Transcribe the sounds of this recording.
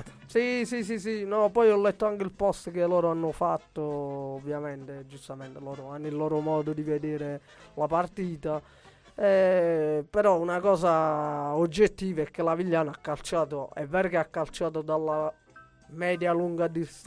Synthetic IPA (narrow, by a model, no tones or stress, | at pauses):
sisisisinɔpɔjɔlːɛt̪ːoaŋk̟eilpɔst̪k̟elːɔːɾoanːʊfat̪ːoːvːjamɛnt̪ed͡ʒust̪ament̪elɔːɾoanːʊilːɔːɾomɔːd̪od̪ived̪eːɾe | lapart̪iːt̪a | ɛ | peɾɔunakɔːsaod͡ʒːet̪ːiːvaɛk̟ːelaviʎːaːnaakːalt͡ʃaːt̪oɛ̰vːɛːɾokeakːalt͡ʃaːt̪̬od̪alːa | mɛːd̪jaluŋɡad̪is